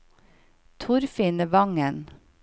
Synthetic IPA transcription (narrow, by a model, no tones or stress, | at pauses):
t̪ʰʊɾfɪːnəʋɑŋən